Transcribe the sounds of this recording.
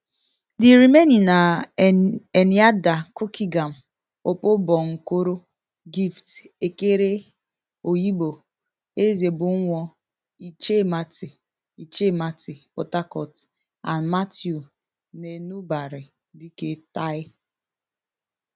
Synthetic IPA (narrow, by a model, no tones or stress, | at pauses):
dɪɾimenina | eniadakokiɡam̩ | opobɔŋ̩koɾo | ɡift | ekeɾe | ojibo | ezebʊŋ̩ŋʷɔ | it͡ʃematɪ | it͡ʃematɪpo̰takɔt | a̰nmatju | nenubaɾɪ | diketaɪ